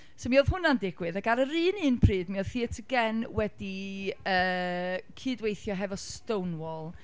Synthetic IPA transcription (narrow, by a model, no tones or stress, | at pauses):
somioð̥hɦʊnandɪɡwɨðaɡaɾəɾɨːnɨːnpʰriːdmioð̥θiːətʰəɡɛnwɛdiəːkʰɨːdwejθjɔɦɛvɔstownwɔlˠ